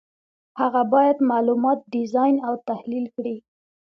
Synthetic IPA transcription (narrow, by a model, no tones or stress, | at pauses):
haɣabɑjad̪mɑlumɑt̪̚ɖɪzɑjnawt̪ahlilkɽi